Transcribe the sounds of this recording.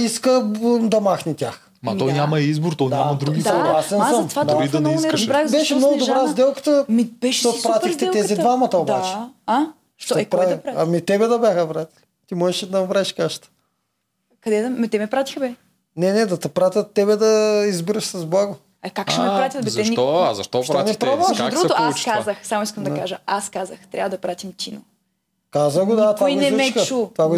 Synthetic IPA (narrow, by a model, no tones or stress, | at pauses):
iskəd̪ɐmaxnit̪ʲax | mɐɔjnʲamɐizboɾt̪ɔnʲamɐd̪ɾuɡ̪ʲɐɡˠasɛnsəmvad̪aid̪ibɾaibɛʃɛmnɔɡʊd̪obɾazd̪ɛlˠkə̥t̪əmibɛʃt̪opɾat̪ixt̪ɛt̪ɛzid̪vamɐt̪ɐobat͡ʃɛa | ʃt̪ɐpɾaaɐmit̪ɛbɛd̪ɐbʲjaxəvɾat̪ʲi̥lit̪imɔʒɛʃɛd̪ɐvɾaʃkaʃt̪ə̥ | kɐd̪ɛd̪t̪ɛmɛpɾat̪ixbɛ | nɛnɛd̪ɐt̪ɐpɾat̪ʲjɐt̪ːɛbɛd̪ɐizbiɾɐʃsɐzblˠaɡo | ɐkakʃɛmɛpɾat̪ʲjət̪bɛzɛnɔzɐ̰ʃt̪ɔʃtɾanipɾɾavɛʃd̪ɾuɡot̪oḁkazəxsamʊiskəmd̪ɐkaʒəaskazəxt̪ɾʲa̰vəd̪ɐpɾat̪ʲimt̪ʲino̰ | kazəɡod̪at̪vanɛmɛkut̪vaɡo